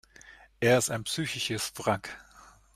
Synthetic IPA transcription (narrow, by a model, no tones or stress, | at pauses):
ʔeːɐɪstaɪnpsyːçɪʃəsfʁak